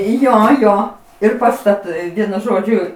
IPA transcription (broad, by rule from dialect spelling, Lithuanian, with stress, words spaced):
ˈjoː ˈjoː ɪr pɐstɐˈtɐɪ ˈʋʲiɛnʊ ˈʒoːd͡ʒʲʊ